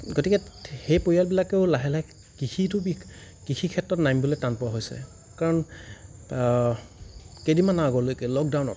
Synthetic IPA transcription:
ɡotikɛxejpoɹijalbilakeʊlaɦɛlaj | kixʰitʊbi | kixʰikʰɛtɹɔtnajmboletanpɔɹaɦojsɛ̰ | kaɹɔn | kedimanaaɡɔlojkɛlɔk̚dawnɔ̰

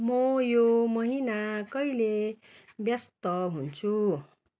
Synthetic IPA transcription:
mʌjomʌɦinakʌile | bjʌst̪ʌɦunt͡sʰu

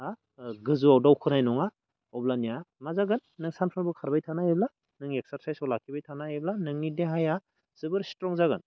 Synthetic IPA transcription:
a | ɡɯzuawdawkʰɯnajnɔŋa | ɔblanijamazaɡɯnːɯŋsanpʰanbɯkʰaɾbajtʰanajebla | nɯŋek̚saɾsajsawlakʰibajtʰanaeblanɯŋnideɦaja | z̥ɯbɯɾstɾɔŋzaɡɯn

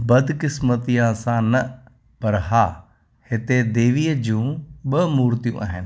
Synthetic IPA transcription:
bəd̪kɪsmət̪ijãːsãːnə | pəɾɦaː | het̪eːd̪eːʋijed͡ʒũːɓəmuːɾt̪ijṵ̃ːʔəɦɛn

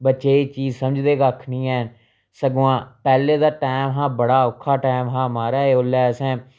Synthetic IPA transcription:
bət͡ʃeːiːt͡ʃiːzsəməd͡ʒd̪eːɡaːkʰnĩːɛː | səɡoãːpɛːleːd̪aːʈaːmɦãːbəɽaːʊkʰːaːʈaːɪmɦãːmaːɾaːeːoːlɛːsɛ̃ː

